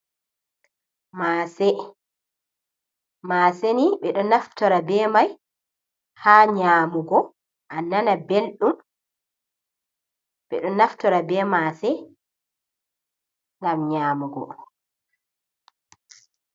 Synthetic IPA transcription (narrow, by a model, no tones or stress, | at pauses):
masɛ | maːseniɓɛɗɔnaftɔɾabɛːmaj | haːɲaːmuɡɔ | ʔanːanabelɗum | ɓɛ̰ɗɔnaftɔɾabɛːmaːsɛ | ŋɡamɲaːmuɡɔ̰